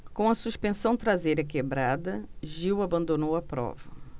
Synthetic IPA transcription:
kõw̃ɐsuspẽsɐ̃w̃t̪ɾazejɾɐkebɾad̪ɐʒiwabɐ̃nd̪onowɐpɾɔ̰vɐ

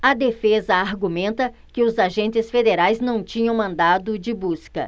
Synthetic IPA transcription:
ɐd̪efezɐaɾɡumẽnt̪ɐ | kɪʊzaʒẽnt͡ʃɪsfed̪eɾajznɐ̃w̃t͡ʃĩɲɐ̃w̃mɐ̃nd̪ad̪ʊd͡ʒɪbuskɐ̰

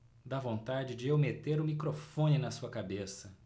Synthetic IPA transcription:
d̪avõnt̪ad͡ʒɪd͡ʒɪewmet̪eɾʊ̃mikɾofõnɪnɐsuɐkabesɐ

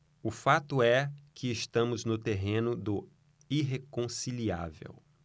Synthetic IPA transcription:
ʊfat̪ʊɛkʰɪːst̪ɐ̃mʊznʊt̪eɦẽnʊd̪ʊ | iɦekõsilia̰vḛw

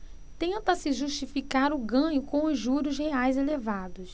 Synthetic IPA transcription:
t̪ẽnt̪ɐsɪʒuʃt͡ʃifikaɾʊɡɐ̃ɲʊkõw̃ʊʒuɾʊzheajzelevad̪ʊs

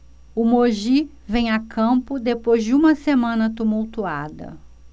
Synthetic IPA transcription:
ʊmoʒi | vẽj̃akʰɐ̃mpʊd̪epojzd͡ʒɪũmɐsemɐ̃nɐt̪umuwt̪ua̰d̪ɐ̰

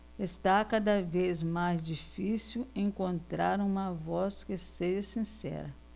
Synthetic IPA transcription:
est̪akad̪ɐvezmajzd͡ʒifisiuwẽŋkõnt̪ɾaɾũmɐvɔskɪseʒɐsĩsɛ̰ɾɐ

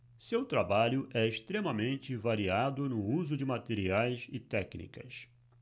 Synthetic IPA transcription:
sewt̪ɾabaʎʊʔɛeʃt̪ɾẽmɐmẽnt͡ʃɪvaɾiad̪ʊnʊuzʊd͡ʒɪmat̪eɾiajsɪt̪ɛknḭkɐ̰s

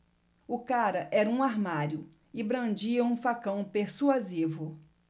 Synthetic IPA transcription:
ʊkaɾɐʔɛɾɐũaɾmaɾjʊ | ɪbɾɐ̃nd͡ʒiɐũfakɐ̃w̃peɾsuazivʊ

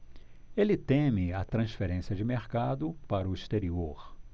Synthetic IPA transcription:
elɪt̪ẽmɪɐt̪ɾɐ̃sfeɾẽsiɐd͡ʒɪmeɾkad̪ʊpaɾʊist̪eɾioɾ

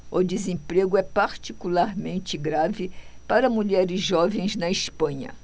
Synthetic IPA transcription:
ʊd͡ʒɪzẽpɾeɡʊɛpaɾt͡ʃikulaɾmẽnt͡ʃɪɡɾavɪpaɾɐmuʎɛɾɪzʒɔvẽj̃znɐispɐ̃ɲɐ̰

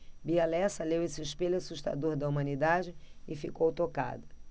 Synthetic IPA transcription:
bialɛsɐlewesɪɪʃpelʊasuʃt̪a̰d̪oɾd̪ɐumɐ̃nid̪ad͡ʒɪɪfikowt̪oka̰d̪ɐ

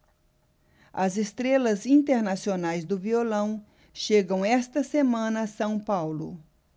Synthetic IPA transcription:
ɐzest̪ɾelɐzĩnt̪eɾnasionajzd̪ʊviolɐ̃w̃ | ʃeɡɐ̃w̃ɛst̪ɐsemɐ̃nɐsɐ̃w̃pawlʊ̰

